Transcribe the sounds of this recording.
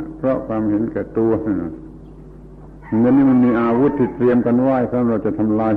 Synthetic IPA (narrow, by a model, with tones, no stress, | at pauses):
pʰɾɔ˦˥kʰwaː˧mhe˨˩˦nkɛː˨˩t̪u˧ɐ | a˧nːiː˥˨ma˧nmiː˧ʔaː˧wu˦˥t̪ʰːiː˧˩t̪ɾi˧əmka˧nwaː˥˩jsa˧˥a˥˩ɾa˧˩wt͡ɕa˨˩t̪ʰa˧mlaː˧